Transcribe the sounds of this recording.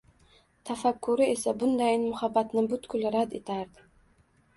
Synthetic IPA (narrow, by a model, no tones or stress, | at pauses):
t̪ʰafakːʊɾɪe̞sabʊnd̪ajɪnmʊhabːat̪nɪbʊt̪kʰʊlɾad̪e̞t̪ʰaɾd̪ɪ